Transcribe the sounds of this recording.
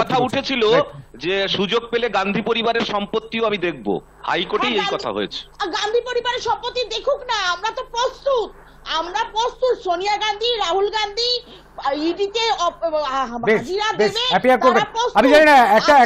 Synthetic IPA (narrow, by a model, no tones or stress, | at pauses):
ɔt̪ʰauʈʰet͡ɕʰilod͡ʑeʃud͡ʑoɡ̚peleɡand̪ʱipoɾibaɾeɾʃɔmpot̪ːioamid̪ek̚ʰbo̰ | ha̰jkoʈejejakɔtʰa̰ɦo̰ḛt͡ɕʰe̥ɡand̪ʱipoɾibaɾeɾʃɔmpot̪ːid̪ekʰuknaamɾat̪opɾost̪ut̪̚ | amɾapɾost̪ut̪ʃonijaɡand̪ʱiɾaɦulɡand̪ʱi | iɖit̪eɔ | bed͡ʑʱiɾadeebeɛiaɾkoɾbeaɾosamid͡ʑaninaɛk̚a